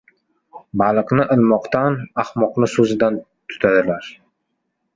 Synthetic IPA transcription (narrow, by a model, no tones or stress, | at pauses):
balˠɨqnɪʔɪlˠmɒqt̪ʰanahmɒqnɪsɵzɪd̪an | t̪ʰʊ̥t̪ʰad̪ɪlaɾ